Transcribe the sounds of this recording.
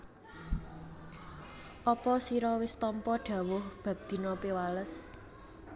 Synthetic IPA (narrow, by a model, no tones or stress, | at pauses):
ʔɔpɔsiɾɔwɪst̪ɔmpɔɖ̥ä̤wʊhb̥ä̤p̚d̪̥i̤nɔpewaləs